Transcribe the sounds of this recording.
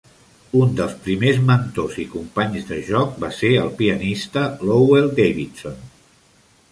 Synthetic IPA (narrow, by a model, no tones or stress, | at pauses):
und̪əlˠspɾimezmənt̪ozikumpaɲzðəʒɔk̚baseəlˠpiənist̪əlowelˠd̪ejβit̪son